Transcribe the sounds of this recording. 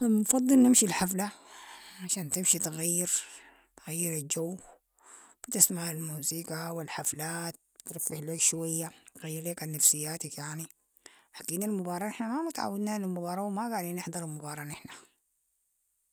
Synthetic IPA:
mfɑd̪ˤːɨlnɪmʃilħafla | ʕaʃaːnt̪ɪmʃit̪ɣajːɪɾ | t̪ɣajːɪɾald͡ʒawː | b̥ɪt̪asmaʕalmuːziːkawɪlħaflaːt̪̚ːɾɪfːɪħloːkʃwajːaɣajːɪɾleːkanːafsɪjːaːt̪akjaʕni | ħakːiːnalmʊbɑːɾˤɑːnɪħnamamʊt̪ʕa̰wːad̪nanalmʊbɑːɾˤɑːwmaɡaʕd̪iːnɪħd̪ˤɑɾˤɪlmʊbɑːɾˤɑnɪħna

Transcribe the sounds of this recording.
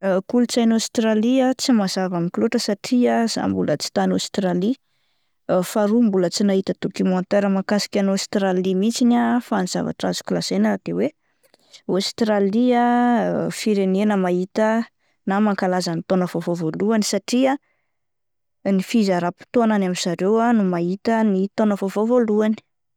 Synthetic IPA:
kulut͡sajnost̪ɾaliat͡simazavamikloʈ͡ʂəsaʈ͡ʂiaz̥a̰mbulət͡si̥t̪anost̪ɾali | faɾumbulət͡sinaɦit̪ət̪ukimont̪eɾəmakasi̥kʲanost̪ɾalimit͡sinafaniz̥a̰va̰ʈ͡ʂazu̥kulazenaad̪̥ewe | ost̪ɾalia | fiɾenenəmait̪ə | namaŋkalazənit̪onəvovovoluanisaʈ͡ʂia | nifizaɾapi̥t̪oananamiz̥aɾewanumait̪ənit̪onəvovovoluani̥

